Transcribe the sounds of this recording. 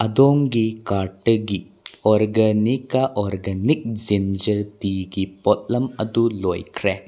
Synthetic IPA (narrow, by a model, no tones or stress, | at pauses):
ɐdɔŋɡikaɾʈəɡi | ɔɾɡɐnikaʔɔɾɡɐnik̚zind͡ʒɐɾdiɡipɔt̚lɐmɐdulojkʰɾe